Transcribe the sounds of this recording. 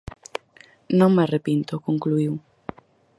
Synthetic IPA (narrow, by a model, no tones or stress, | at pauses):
nõŋmarepint̪okõŋkluiw